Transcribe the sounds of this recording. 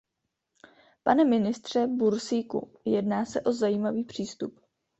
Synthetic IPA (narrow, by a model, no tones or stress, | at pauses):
panɛmɪnɪst̪r̝̥ɛbuɾsiːkṵ | jɛdnaːsɛʔo̞zajiːmaviːpr̝̥iːst̪up